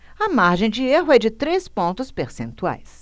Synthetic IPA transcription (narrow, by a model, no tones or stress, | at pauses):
ɐmaɾʒẽj̃d͡ʒɪeɦʊɛd͡ʒɪt̪ɾespõnt̪ʊspeɾsẽnt̪ua̰js